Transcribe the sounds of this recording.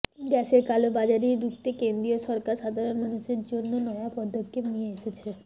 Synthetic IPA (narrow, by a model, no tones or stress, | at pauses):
ɡɛʃeɾkalobad͡ʑaɾiɾukt̪ekend̪ɾioʃɔɾkaɾʃad̪ʱaɾonmanuʃeɾd͡ʑonːonɔjapɔd̪ʱokʰːepnijeeʃet͡ɕʰe